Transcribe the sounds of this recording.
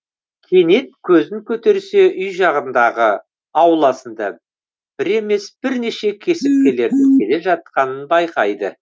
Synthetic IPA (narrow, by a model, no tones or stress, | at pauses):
kʲʰe̞ne̞t̪̚kʲʰɵzɪŋkʲʰɵt̪e̞ɾse̞ʔʏjʒɑʁənd̪ɑʁə | ɑwlˠɑsənd̪ɑ | b̥ɪɾe̞me̞sb̥ɪɾne̞ʃe̞kʲʰe̞sɪp̚kʲele̞ɾd̪ɪŋkʲʰe̞le̞ʒɑt̪̚qɑnənbɑjqɑjd̪ə